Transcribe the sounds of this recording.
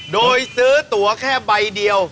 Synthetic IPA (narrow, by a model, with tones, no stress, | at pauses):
doː˧jsɯː˦˥t̪u˩˦ɐkʰɛː˥˩ba˧jdi˧əw